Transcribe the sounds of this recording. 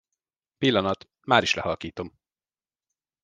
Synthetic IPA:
pilːɒnɒt̪ | maːɾiʃlɛ̰ɦɒlkiːt̪o̞m

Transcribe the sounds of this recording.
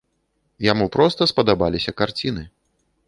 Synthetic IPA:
jamupɾɔst̪ɐspɐd̪abalʲisʲɐkart͡sʲinɨ

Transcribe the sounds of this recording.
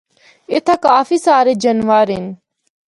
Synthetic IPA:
ɪt̪ʰakaːfiːsaːɾeːd͡ʒənʋaːɾɦɪn

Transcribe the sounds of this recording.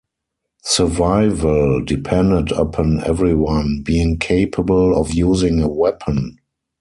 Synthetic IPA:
sə˞vaɪvəldipʰɛ̃ndədəpʰɔ̃nɛ̰vɹiwãnbiːɪ̃ŋkʰeɪpʰəbəlɔfjuːzɪ̃ŋəwɛpʰə̃n

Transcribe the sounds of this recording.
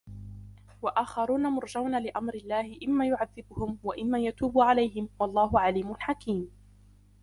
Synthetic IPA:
waʔaːxɑɾuːnamʊɾˤd͡ʒawnalɪʔamɾɪlːaːhɪʔɪmːaːjʊʕaðːɪbʊhʊmwaʔɪmːaːjat̪uːbʊʕalajɦɪmwɑlˤːɑːɦʊʕaliːmʊlħakiːm

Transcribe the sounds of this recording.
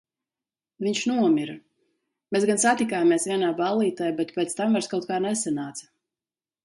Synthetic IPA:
viɲʃnuɔmʲiɾ | mʲeːsɡansat̪ikaːjmiɛsvʲiɛnaːbalˠːiːt̪ajabɛt̪pʲɛːt̪st̪amvaɾskawt̪̚kaːɾnɛsanaːt̪sḁ

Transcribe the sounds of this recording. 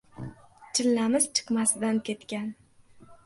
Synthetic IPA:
t͡ʃʰɪlːamɪzt͡ʃʰɨ̥qmasɪd̪ankʲʰe̞t̪kʲan

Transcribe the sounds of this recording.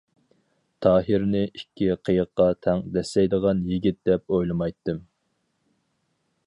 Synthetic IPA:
t̪ʰɑːɦɨɾnɪʔikʲːiqʰəjəqːɑt̪ʰɛŋd̪ɛslɛjd̪əʁɑnjiɡʲit̪̚d̪̥ɛp̚ojlˠɨmɑjt̪ːɨm

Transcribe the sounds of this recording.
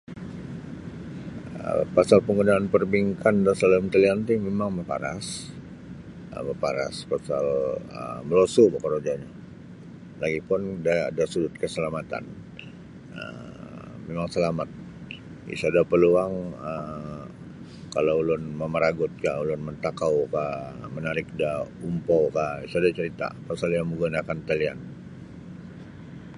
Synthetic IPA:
ə̰pasalpəŋɡunaːnpərbiŋkandasəaləmt̪əliant̪imemaŋməpa̰ɾa̰s | ə̰məpaɾa̰spasalə̰məlosubakəɾod͡ʒaɲa | laɡipʊndaːdasudʊt̪̚kəsəlamat̪a̰n | ə̰ | memaŋsəlamat̪̚ | ḭsuadapəluaŋə | kalaulʊnməməɾaɡʊt̪̚kaʔulʊnmənt̪akaukaʔmənaɾɪk̚daumpowkaisuadat͡ʃəɾit̪a̰pasaljaŋmuɡunakant̪alia̰n

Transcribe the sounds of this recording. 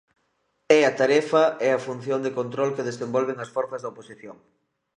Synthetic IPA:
ɛɐt̪aɾɛfɐɛɐfun̟θjond̪ekont̪ɾolkeðesembɔlβ̞eŋɐsfɔɾθɐzðɐoposiθjoŋ

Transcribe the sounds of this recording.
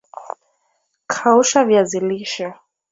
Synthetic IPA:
kʰauʃavjaziliʃa

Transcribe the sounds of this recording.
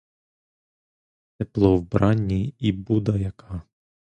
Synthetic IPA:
t̪eplˠɔwbɾɑnʲːiibud̪ɐjɐkʰɑ

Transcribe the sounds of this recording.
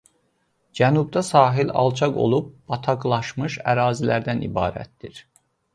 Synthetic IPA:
d͡ʒænub̚d̪æsɑːɦilɑ̰lˠt͡ʃʰɑɡo̞̰lˠub̚ːɑt̪ʰɑɡlˠɑʃmɯʃæɾɑːzilæɾd̪ænḭbɑ̰ːɾæ̰t̪̚d̪iɾ

